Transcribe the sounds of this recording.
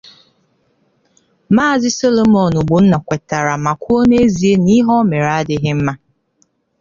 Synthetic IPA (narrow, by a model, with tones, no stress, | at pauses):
maː˦˨zɪ˦so˦lo˨mɔ˨nʊ˨ɡ͡bʊ˨n̩˦na˨kʷe˨ta˨ɾa˨ma˨kʷu˦o˦ne˦zi˨e˦ni˦ɦɔ˦me˨ɾa˦a˦dɪ˦ɦɪ˦m̩˦ma˦